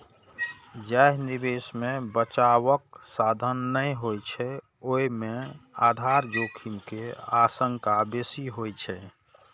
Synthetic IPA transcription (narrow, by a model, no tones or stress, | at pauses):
d͡ʒaɦnibesmebət͡ʃaʋəksad̪ʱənːə̃ɦojt͡ʃʰɛ | oimead̪ʱaɾd͡ʒokʰimkeasəŋkabesiɦojt͡ʃʰɛ